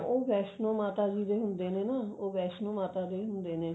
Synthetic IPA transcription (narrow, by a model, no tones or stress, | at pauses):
obɛʃnomat̪ad͡ʒid̪eɦumd̪enenaobɛʃnomat̪ad̪eɦumd̪ene